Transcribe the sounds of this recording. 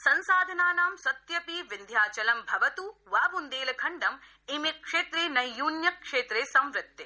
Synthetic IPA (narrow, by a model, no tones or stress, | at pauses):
sɐnsaːd̪ʱɐnaːnaːmsɐt̪jɐpiːʋɪnd̪ʱjaːt͡ʃɐlɐmbʱɐʋɐt̪uʋaːʋund̪eːlɐkʰɐɳɖɐm | imekʂeːt̪ɾeːnɐjːuːnjɐkʂeːt̪ɾeːsɐmʋɾɪt̪ːe